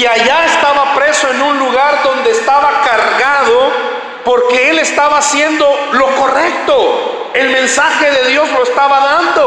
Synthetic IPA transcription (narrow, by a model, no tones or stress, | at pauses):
iaʝaest̪aβapɾe̞so̞e̞nunluɣaɾðo̞nd̪e̞ːst̪aβakaɾɣaðo̞ | po̞ɾke̞e̞le̞st̪aβaːsje̞nd̪o̞lo̞ko̞rek̚t̪o | e̞lmẽ̞nsaxe̞ðe̞ðjo̞zlo̞est̪aβaðand̪o̞